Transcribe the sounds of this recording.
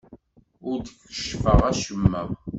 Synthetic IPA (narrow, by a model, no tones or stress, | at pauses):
ʊɾd̪əkːə̥ʃfəʁæʃəmːæ